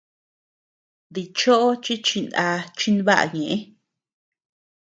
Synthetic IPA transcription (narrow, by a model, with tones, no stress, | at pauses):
ði˧t͡ʃo˦ʔo˦t͡ʃi˦t͡ʃi˧na˧t͡ʃi˦nβa˦ʔa̰˧ɲẽ˨ʔẽ˦